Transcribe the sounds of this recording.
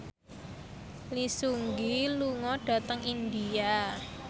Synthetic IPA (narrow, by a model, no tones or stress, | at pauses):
lisuŋɡiluŋɔɖ̥a̤t̪əŋind̪ia